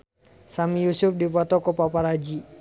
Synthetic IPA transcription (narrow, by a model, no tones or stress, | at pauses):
samijusʊfdipɔt̪ɔkɔpapaɾad͡ʒi